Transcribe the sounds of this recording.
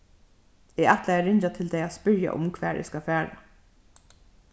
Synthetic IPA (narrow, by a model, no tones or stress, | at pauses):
ɪɛt̪laɛɹɪɲt͡ʃat̪ʰɪld̪ɛɪaspʏɹja̰ʔʊ̰mkʰʋæːʔɛ̰skafæːɹa̰